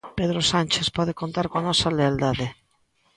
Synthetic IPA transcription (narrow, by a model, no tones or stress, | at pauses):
peðɾosant͡ʃespɔðekont̪aɾkoanɔsaleald̪aðe